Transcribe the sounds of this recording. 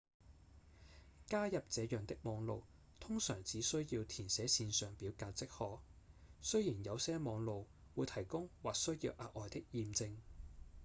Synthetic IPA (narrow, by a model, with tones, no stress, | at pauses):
kaː˥jɐ˨p̚t͡sɛː˨˧jœː˨˩ŋt̪ɪ˥k̚mɔː˨˧ŋlo˨˧w | t̪ʰʊ˥ŋsœː˨˩ŋt͡siː˨˥sɵ˥ɥjiː˧wt̪ʰiː˨˩nsɛː˨˥siː˧nsœː˨ŋpiː˨˥wkaː˧t͡sɪ˥k̚hɔː˧ksɵ˥ɥjiː˨˩njɐ˨˧wsɛː˥mɔː˨˧ŋlo˨w | wuː˨˧jt̪ʰɐ˨˩jkʊ˥ŋwaː˨k̚sɵ˥ɥjḭː˧wʔaː˨˧k̚ɔː˨jt̪ɪ˥k̚jiː˨˧mt͡sɪ˧ŋ